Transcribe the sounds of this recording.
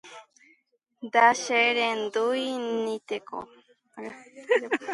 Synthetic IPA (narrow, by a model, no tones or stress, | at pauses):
d̪aʃeɾend̪ujnnĩt̪eko̰